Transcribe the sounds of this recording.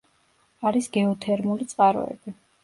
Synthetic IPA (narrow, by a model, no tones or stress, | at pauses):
aɾisɡɛɔt̪ʰɛɾmulit̪sʼqʼaɾɔ̰ɛ̰bi